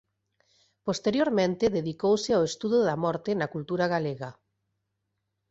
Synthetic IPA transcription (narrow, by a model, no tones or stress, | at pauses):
post̪eɾjoɾmẽnt̪ɪðeðikowsɪawest̪uðoðamɔɾt̪ɪnakult̪uɾaɣ̞aleɣa